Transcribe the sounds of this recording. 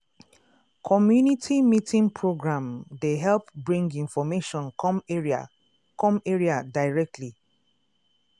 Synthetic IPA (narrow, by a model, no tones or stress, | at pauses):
kʰɔmjunitʰimitʰĩŋpʰɹoɡɹãmdeɦɛlpbɹĩŋɡĩnfɔmeʃɔ̃nmeɹia̰ | kɔ̃meɹiadaɪɹɛk̚tʰli